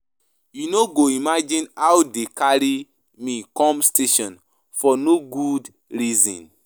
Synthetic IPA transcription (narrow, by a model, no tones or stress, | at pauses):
junoɡoimad͡ʒĩnawdekaɹi | mikɔ̃mstʰeʃɔ̃n | fɔnoɡud | ɹizɔ̰̃n